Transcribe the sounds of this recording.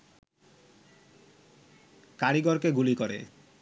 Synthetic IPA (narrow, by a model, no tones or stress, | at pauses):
kaɾiɡɔɾkeɡulikɔɾḛ